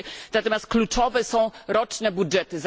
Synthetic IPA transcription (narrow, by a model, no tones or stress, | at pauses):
nat̪ɔmʲjast̪̚klut͡ʂɔvɛsɔ̃w̃ɾɔt͡ʂnɛbudʐɛt̪ɘz